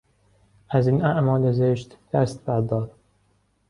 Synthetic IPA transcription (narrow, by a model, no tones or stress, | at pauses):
æziːnæʔmɒːlezeʃt̪d̪̥æst̪bæɾd̪ɒːd̪